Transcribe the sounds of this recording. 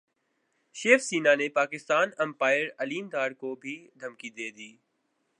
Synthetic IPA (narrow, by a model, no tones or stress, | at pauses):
ʃeːfsiːnanepaːkɪst̪aːnɐ̃mpaːɪəɾɐliːmd̪aːɾkobʱid̪ʱɐmkid̪eːd̪iː